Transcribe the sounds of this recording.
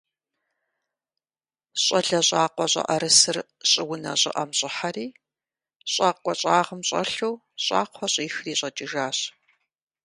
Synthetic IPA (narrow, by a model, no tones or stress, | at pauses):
ɕʼɐɮɐɕʼaːqʷɔɕʼɐ̰ʔɐɾɨsɨr | ɕʼɪwʊnɐ̰ɕʼɪ̰ʔɐmɕʼɪħariː | ɕʼaːkʷʼɔɕʼaːʁəmɕʼɐ̰ɬuw | ɕʼa̰ːqʷʰɔɕʼiːxriːɕʼɐt͡ʃʼɪʒaːɕ